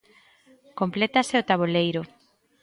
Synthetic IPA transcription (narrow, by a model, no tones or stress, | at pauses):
komplet̪aseot̪aβolejɾo